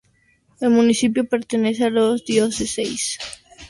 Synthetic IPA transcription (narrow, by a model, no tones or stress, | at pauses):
elmũnisip̬jopeɾt̪enesealozd̪iozesejs